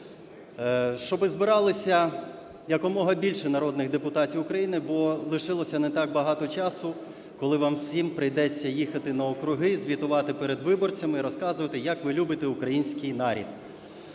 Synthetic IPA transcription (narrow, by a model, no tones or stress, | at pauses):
ʃt͡ʃɔbɪzbɪɾɑlˠɪsʲɐ | jɐkɔmɔɦɐbʲilʲʃɪnɐɾɔd̪nɪɣd̪epʊt̪ɑtʲiwʊkɾɐjinɪbɔlˠɪʃɪlˠɔsʲɐnet̪ɑk̚bɐɦɑt̪ɔt͡ʃɑsʊ | kɔlˠɪʋɑmsʲimpɾɪjd̪ɛt͡sʲːɐjixɐt̪ɪnɐɔkɾʊɦɪzʲʋʲit̪ʊʋɑt̪ɪpeɾed̪ʋɪbɔrt͡sʲɐmiɾɔskɑzʊʋɐt̪ɪjɐkʋɪlʲubɪt̪eukɾɐjinʲsʲkɪjnɑɾʲḭd̪̥̚